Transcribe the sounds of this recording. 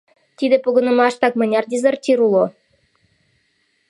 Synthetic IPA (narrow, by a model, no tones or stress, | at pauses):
t̪ʲid̪ĕpoɣɤ̆nɤ̆mɑʃt̪ɑk̚mɤ̆nʲɑrd̪ʲizert̪ʲiɾulˠo